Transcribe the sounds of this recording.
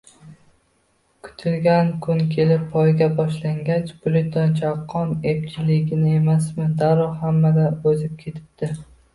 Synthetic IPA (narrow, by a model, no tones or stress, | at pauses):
kʰʊ̥t̪ʰɪlɡʲankʰʊnkʲʰe̞lɪpːʰɒjɡʲabɒʃlaŋɡʲat͡ʃbʊlɪd̪ɒnt͡ʃʰaqʰːɒnept͡ʃʰɪlɪɡʲɪnɪe̞masmɪd̪aɾɒhamːad̪aɵzɪp̚kʲʰe̞t̪ʰɪ̥p̚d̪̥ɪ